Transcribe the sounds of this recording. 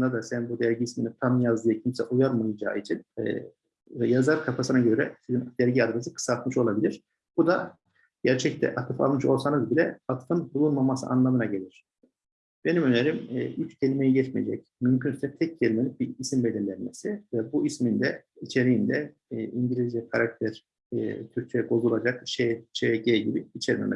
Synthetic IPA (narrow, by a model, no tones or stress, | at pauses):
nd̪ad̪asænbud̪æɾɟiːsminit̪ʰamjazd̪ɯjɯcʰimsɛ̰ʔujaɾmajad͡ʒa̰ːit͡ʃʰin̰ː | jazaɾkʰapasɯnaɟø̞ɾɛsizind̪̥æɾɟiad̪ɾesɯkʰɯ̥sat̪mɯʃo̞lˠabilʲiɾ̥ | bud̪a | ɟ̥æɾt͡ʃʰɛct̪ʰɛ̰ʔat̪ʰɯfa̰lˠmɯʃo̞lˠsanɯzbilʲɛat̪fɯnbulˠunmamasɯ̰ʔa̰nlˠamɯnaɟe̞lʲiɾ̝̥ | b̥e̞nimø̞neɾimːyt͡ʃɟʰe̞lʲimejiɟɛt͡ʃmijed͡ʒɛc | mymcʰynsyzʲɛt̪ʰɛc̚ɟelʲimelʲicbiisimbe̞liɾlʲænmesivɛbuismind̪ɛit͡ʃʰe̞ɾiind̪ɛ | iɲɟilʲizvɛkʰaɾak̚t̪ʰæɾ̥ | t̪ʰyɾcʰejɛbo̞zulˠad͡ʒakt͡ʃet͡ʃʰeɟeɟibiit͡ʃʰɛɾimɛ̰mɛ̰